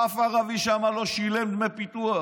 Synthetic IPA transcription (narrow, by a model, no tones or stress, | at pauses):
afaʁaviʃamaloʃilemd̪mepit̪ua